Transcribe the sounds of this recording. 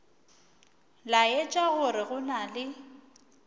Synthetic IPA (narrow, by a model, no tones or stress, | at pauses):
lajɛt͡ʃʼaɣʊrɪɣʊnalɪ